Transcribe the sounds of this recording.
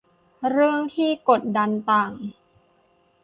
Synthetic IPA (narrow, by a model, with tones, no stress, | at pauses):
ɾɯ˥˩əŋt̪ʰiː˥˩ko˨˩t̪̚da˧nt̪aː˨˩ŋ